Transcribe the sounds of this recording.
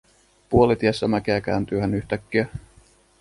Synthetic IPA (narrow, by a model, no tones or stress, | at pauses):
puolit̪iesːæmæk̟eæk̟æ̰ːnt̪yøhænyht̪ækːiæ